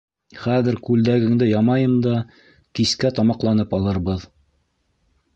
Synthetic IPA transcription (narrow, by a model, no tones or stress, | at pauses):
χæðɘ̆ɾkʉld̪æɡɘ̆ŋd̪ɘjɑmɑjɤmd̪ɑ | kiskæt̪ɑmɑqlˠɑn̪ɤpɑlˠɤ̆ɾβɤð